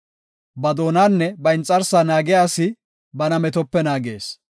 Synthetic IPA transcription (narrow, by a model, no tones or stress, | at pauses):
bɐd̪o̞ːnaːnːɛbɐɪnt͡sʼːɐɾsanaːɡɛjaːsɪ | bɐnɐmɛt̪ɔpːɛnaːɡe̞̰ːs